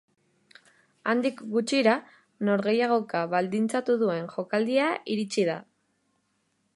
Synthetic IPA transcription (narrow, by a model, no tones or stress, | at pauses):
and̪ikɡut͡ʃiɾa | no̞ɾɣe̞jaɣ̞o̞kaβald̪int͡sat̪uðue̞nʝo̞kald̪iaiɾit͡siða